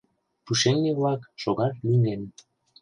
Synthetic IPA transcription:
puʃeŋneβlɑkʃoɣɑt̪linen

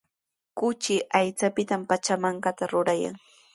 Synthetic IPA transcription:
kʊt͡ʃɪʔajt͡sapɪt̪ampat͡ʃamaɴɢɑt̪aɾʊɾaja̰ŋ

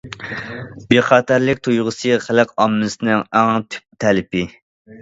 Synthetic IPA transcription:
beχɑːt̪ʰæɾlɪkʲt̪ʰujʁəsɨχælɨqɑmːɨsɨnɪŋæŋt̪ʰy̥p̚t̪ʰɛlɪpɪ

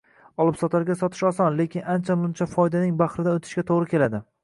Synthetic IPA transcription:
ɒlˠɪpsɒt̪ʰaɾɡʲasɒt̪ʰɪ̥ʃɒsɒnle̞kʲʰɪnant͡ʃʰamʊnt͡ʃʰafɒjd̪anɪŋbaχɾɪd̪anot̪ʰɪ̥ʃkʲat̪ʰoʁɾɪkʲʰe̞lad̪ɪ

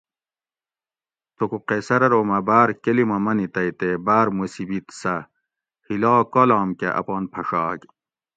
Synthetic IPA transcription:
t̪okuqesɐɾɐɾoːmɐbaːɾkelimɐmɐnit̪ɐjt̪ebaːɾmusibit̪sɐ | hilaːkolaːmkḛʔɐ̰poːnpʰɐʂaːk

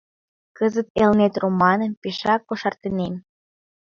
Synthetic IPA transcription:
kəzət̪elnet̪romɑnəmpiʃɑkːoʃɑrt̪ənem

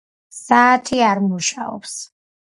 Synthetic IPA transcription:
saːt̪ʰiaɾmuʃaɔ̰ps

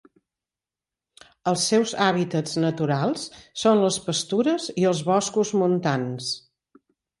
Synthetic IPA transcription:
əlˠsːɛwzaβit̪əznət̪uɾalˠsːonləspəst̪uɾəziəlˠzβɔskuzmunt̪ans

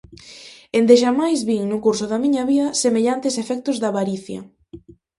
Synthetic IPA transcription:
end̪eʃ̬amajzβiŋnʊkuɾsʊðɐmiɲɐβiɐsemeʎant̪esefɛk̚t̪ʊzðɐβaɾiθjɐ̰

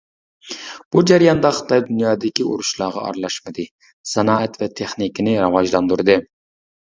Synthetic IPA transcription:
b̥ud͡ʒæɾjɑnd̪ɑχɨ̥t̪ʰɑjd̪unjɑːd̪ɪkʲio̰ɾuʃlˠɑːʁɑ̰ɑ̰ɾlˠɑʃmɨd̪ɨ | sɛnɑːɛt̪vɛt̪ʰeχnikʲɪnɪɾɑwɑʒlˠɑnd̪uɾɨd̪ɨ

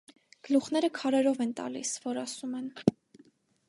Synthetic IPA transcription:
ɡ̥əluχn̪ɛɾəkʰɑɾɛɾɔvɛnt̪ɑ̰lḭsvɔɾɑsumɛn

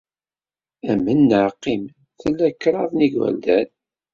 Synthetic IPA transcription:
æmənːəʕqːim | θəlːækːɾˤɑðniɡwæ̰ld̪æn

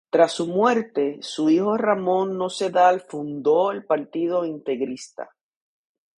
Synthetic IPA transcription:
t̪ɾasːumwe̞ɾt̪e̞suiho̞ramõ̞nːo̞se̞ðalfund̪o̞elpaɾt̪ið̞o̞int̪e̞ɣɾist̪a̰

